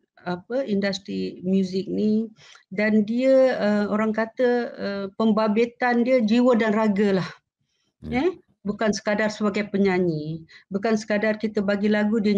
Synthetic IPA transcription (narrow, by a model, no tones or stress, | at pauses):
apəindast̪ɾimjuzɪk̚ni | dandiəəoɾaŋkat̪əəpəmbabet̪andiəd͡ʒiwədanraɡəlah | ɛ | bukansə̥kadarsəbaɡajpəɲaɲibukansə̥kadarkit̪əbaɡilaɡudiə